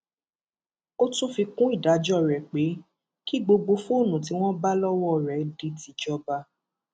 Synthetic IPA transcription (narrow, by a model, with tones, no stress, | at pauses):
o˦tũ˦fi˧kũ˦i˦˨da˨˦d͡ʒɔ˦˨ɾɛ˨k͡pe˨˦ | ki˦ɡ͡bo˧ɡ͡bo˧fũ˦o˦˨nũ˨t̬i˨˦w̃ɔ̃˦ba˦lɔ˦wɔ˦˨ɾɛ˨di˧˦ti˧d͡ʒɔ˦ba˧